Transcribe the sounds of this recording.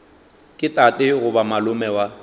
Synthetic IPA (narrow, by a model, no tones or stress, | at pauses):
kʼɪtʼatʼɪɣʊbamalʊmɛwa